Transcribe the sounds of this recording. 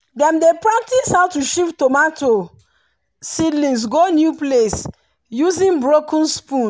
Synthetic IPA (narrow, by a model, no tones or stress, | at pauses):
dɛ̃mdepɹak̚tishawtuʃiftomatʰo | sidlĩns̬ɡonjuples | juzĩnbɹokə̃nspũ